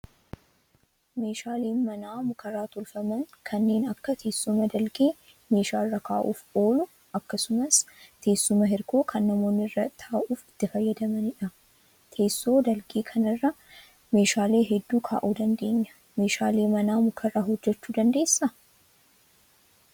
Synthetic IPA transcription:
me̞ːʃaːleːnmɐnaːmʊkʰɐrːaːt̪ʊlfɐmɐŋkʰɐnːe̞ːnɐkːɐt̪ʰe̞ːsːʊmɐd̪ɐlɡe̞ː | me̞ːʃaːrːɐkʰaːʔuːfo̞ːlʊ | ɐkːɐsʊmɐst̪ʰe̞ːsːʊmɐɦɪɾkoːkʰɐnːɐmo̞ːnːɪrːɐt̪ʰaːʔuːfɪ̥t̪ːɪfɐjːɐd̪ɐmɐnɪᶑɐ | t̪ʰe̞ːsːo̞ːd̪ɐlɡe̞ːkʰɐnɐrːɐ | me̞ːʃaːle̞ːɦɛd̪ːuːkʰa̰ːʔuːd̪ɐnd̪e̞ːɲːɐ̥ | me̞ːʃaːle̞ːmɐnaːmʊkʰɐraːɦɔd͡ʒːɛt͡ʃːuːd̪ɐnd̪e̞ːsːɐ

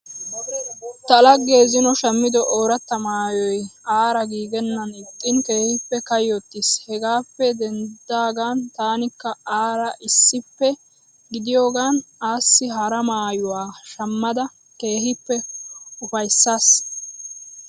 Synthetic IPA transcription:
t̪ɐlɐɡe̞ːzɪnɔʃɐmːɪd̪ɔʔoːɾɐt̪ːɐmaːjɔjaːɾɐɡiːɡɛnːɐnɪt̪ʼːɪnke̞ːhɪpːɛkɐjɔt̪ːɪshɛɡaːpːɛd̪ɛnd̪aːɡaːnt̪aːnɪkːɐaːɾɐʔɪsːɪpːɛ | ɡɪd̪ɪjo̞ːɡaːnaːsːɪɦɐɾɐmaːjʊwaːʃɐmːɐd̪ɐ | ke̞ːhɪpːɛʊfɐjsːaːs

